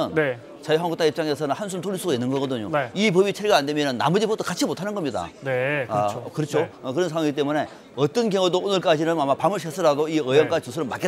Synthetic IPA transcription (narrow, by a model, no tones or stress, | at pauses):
ɯne | t͡ɕajɦaŋɡuk̚t͈aip̚t͡ɕ͈aŋe̞sʰʌnɯnhansʰuntoɾis͈ʰuɡainːɯnɡʌɡʌdɯɲo̰nip̬ʌbit͡ɕʰeɾiɡaːndwe̞mjʌnɯnːa̰mud͡ʑibot͈ʰokat͡ɕʰimotʰanɯnɡʌmɲida̰ne | kɯɾʌt͡ɕʰoʌkɯɾʌnsʰaŋwaŋit̬͈e̞mune̞ | ʌt͈ʌnkjʌŋudoonɯɭk͈ad͡ʑinɯnamapamɯɭɕ̬ʰes͈ʰɯɾaɡoiɯjʌnk͈ad͡ʑitusʰɯɾɯɭma̰k͈ːe